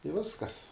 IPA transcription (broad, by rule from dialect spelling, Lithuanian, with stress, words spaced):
ɪ ˈʋʲɪskɐs